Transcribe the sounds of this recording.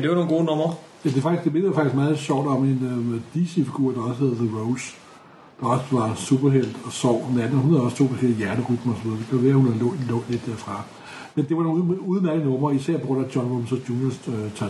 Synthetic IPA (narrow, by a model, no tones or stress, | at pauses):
d̥eʋɑnoːnɡo̝ːnɔ̽mɐ | jæd̥e̝fɑ̈ɡ̥isɡd̥e̝me̝nðjafɑ̈ɡ̥isɡ̥mɑ̈ːð̩ˠɕɒʊ̰d̥ɒ̽me̝nd̥isefiɡ̥uɐ̰d̥ɑ̈ɒ̽sə̥he̝ðˠðəʁoʊs | d̥ɑ̈ɒ̽səʋɑ̈sub̥ɐɦel̰d̥ɒsɒʊ̰̥næd̥n̩hunhæðˠɒ̽st͡sʰo̝̰ːbæsɡ̥e̝l̩ˠjæɐnəʁyd̥mɐɒsɒʋið̞ˠɐd̥ekʰæʋeɐhunhæðˠlɔ̰̥lɔdle̝d̥ːæɐfʁɑ̈ | mend̥e̝ʋɑno̝uːðˠneælənɔ̽mɐisæɐ̰b̥oɾɐd̥ɒ̽nʋomsɒ̽d̥junəst͡sʰæ